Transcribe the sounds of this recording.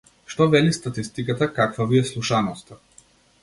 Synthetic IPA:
ʃt̪ɔvɛlist̪at̪ist̪ikat̪akakvaviɛslˠuʃanɔst̪a

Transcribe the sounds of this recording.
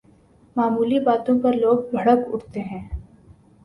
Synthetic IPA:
maːmuːlibaːt̪õpɐɾloːɡ̚bʱɐɽəkʊ̰ʈt̪eɦɛ̃ː

